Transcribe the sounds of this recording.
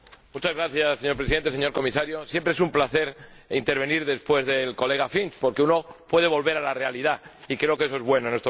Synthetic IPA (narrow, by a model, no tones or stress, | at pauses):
mut͡ʃazɣɾaθjasːe̞ɲoɾpɾesiðent̪e̞seɲo̞ɾko̞misaɾjo̞sje̞mpɾeesumplaθe̞ɾint̪e̞ɾβ̞e̞niɾðe̞spwe̞zðe̞lko̞le̞ɣ̞afinspo̞ɾke̞uno̞pwe̞ðe̞βo̞lβe̞ɾalare̞alið̞a | ikɾe̞o̞kee̞so̞e̞zβwe̞nonest̪o